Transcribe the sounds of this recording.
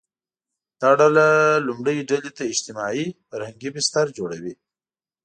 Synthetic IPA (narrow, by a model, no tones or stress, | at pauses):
d̪̥ɑɖalalʊmɽəjiɖalet̪aɪd͡ʒt̪ɪmɑifaɾhaŋɡibɪst̪aɾd͡ʒoɽawi